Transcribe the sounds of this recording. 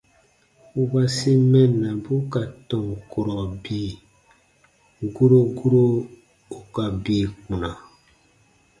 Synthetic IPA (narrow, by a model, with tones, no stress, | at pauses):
u˦ba˦si˦mɛ̃˦nã˨bu˦ka˨tɔ̃˨ŋ˨ko˨ɾɔ˨bi˦˨ | ɡu˦ɾo˦ɡu˦ɾo˦ | o˨ka˨bi˨kũ˨nã˨